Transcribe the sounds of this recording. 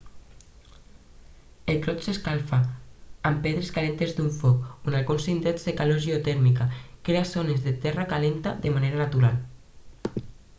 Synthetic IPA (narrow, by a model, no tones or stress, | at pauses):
elk̪ɾɔt̪seskalfaːmpeðɾeskalent̪ezd̪uɱfɔkunalɣunsint̪ezðekaloʒiot̪ɛɾmikakɾeasonezðet̪ɛrakalent̪aðemaneɾanat̪uɾal